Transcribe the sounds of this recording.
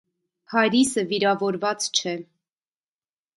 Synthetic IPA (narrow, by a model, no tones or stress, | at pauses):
pʰɑɾisəviɾɑvɔɾvɑt͡st͡ʃʰɛ